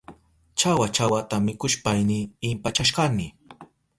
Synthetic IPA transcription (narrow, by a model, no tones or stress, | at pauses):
t͡ʃawat͡ʃawat̪amɪkʊʃpajnɪɪmpat͡ʃaʃɢɑnɪ